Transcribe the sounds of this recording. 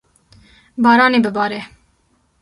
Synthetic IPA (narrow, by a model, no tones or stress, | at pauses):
bɑːɾɑːneːbɨbɑːɾe